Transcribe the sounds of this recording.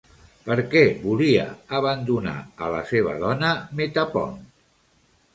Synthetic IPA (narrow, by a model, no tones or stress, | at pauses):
pəɾkɛβuliə̰əβ̞ənd̪una̰ələseβ̞ə̰ðɔnəmet̪apɔ̰n